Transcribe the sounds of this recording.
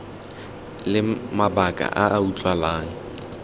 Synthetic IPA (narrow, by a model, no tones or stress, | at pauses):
lɪmabakʼa̰ʔaʔaut͡ɬʼwalaːŋ̩